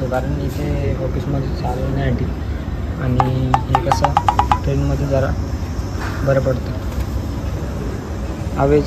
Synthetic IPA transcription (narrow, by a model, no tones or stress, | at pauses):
t̪okaɾəɳit̪ʰeofiːsməd̪ʱːjet͡salunaaʈi | aɽ̃iɦekəsəʈɾenməd̪ʱːjed͡zəɾa̰ | bəɾobəɽt̪ə | aʋe